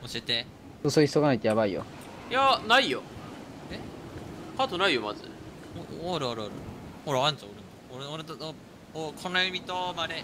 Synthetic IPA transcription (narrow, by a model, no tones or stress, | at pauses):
oɕiet̪e | josoiçisoɡanait̪ejaβaijo̰ | janaijo | e | kat̪onaijomazɨ̰ | aɾɯaɾɯ̟aɾɯ̰hoɾeãnt͡saoɾɯ̃nd̪aoɾeoɾet̪o | okʰõnːajimʲit̪omaɾe